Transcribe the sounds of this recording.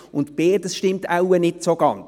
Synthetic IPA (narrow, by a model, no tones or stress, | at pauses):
ʊntb̥eːɾdəsʃtɪmtawənɪtsoɡɑnt͡s